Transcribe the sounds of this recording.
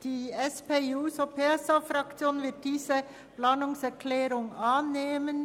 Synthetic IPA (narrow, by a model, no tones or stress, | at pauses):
d̥iːɛspeːuːsopʰeɛsafɾɑkt͡sjoːnvɪɐt̚d̥iːzə | plaːnʊŋsɛʁkʰlɛːɾʊŋɑːnːeːmən